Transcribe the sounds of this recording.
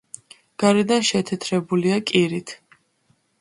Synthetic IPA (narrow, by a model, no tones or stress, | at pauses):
ɡ̥aɾɛd̪anʃɛt̪ʰɛt̪ʰɾɛbuliakʼiɾit̪ʰ